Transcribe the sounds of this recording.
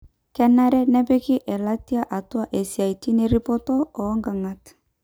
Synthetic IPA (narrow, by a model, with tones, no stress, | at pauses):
kɛ˦na˦ɾɛ˦nɛ˦pɛ˦kɪ˦ʔɛ˨la˦ti˦a˦ʔa˨twa˦ʔe˨si˨a˨i˨ti˦ne˦ɾi˦pɔ˦tɔ˦ɔ˨˦ŋɡa˨ŋa˨t